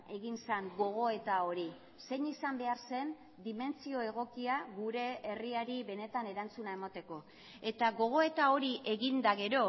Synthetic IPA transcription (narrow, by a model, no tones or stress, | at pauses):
e̞ɣinsaŋɡo̞ɣ̞o̞e̞t̪ao̞ɾi | se̞ɲisambe̞aɾse̞n | d̪ime̞nt͡sio̞e̞ɣ̞o̞kiaɣuɾe̞eriaɾiβe̞ne̞t̪ane̞ɾant͡sunaemat̪e̞ko̞ | e̞t̪aɣo̞ɣ̞o̞e̞t̪ao̞ɾiʔe̞ɣind̪aɣe̞ɾo̞